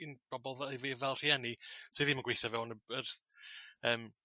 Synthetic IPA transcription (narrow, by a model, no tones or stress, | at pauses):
inb̥ɔbɔlˠvɛevivɛlˠr̥iɛnisɨðimanɡweθavɛwɔnəbərθəːm